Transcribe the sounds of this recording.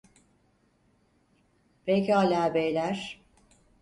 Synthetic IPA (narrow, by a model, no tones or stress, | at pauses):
b̥ɛlʲcialʲaːbejlʲæɾ̥